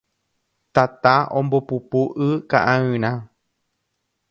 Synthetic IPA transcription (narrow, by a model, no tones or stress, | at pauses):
t̪at̪aõmbopupuʔɨka̰ʔãɨ̃ɾ̃ã